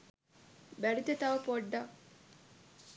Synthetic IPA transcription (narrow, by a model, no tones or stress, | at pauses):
bælit̪et̪ɐʋɐpoɖːɐ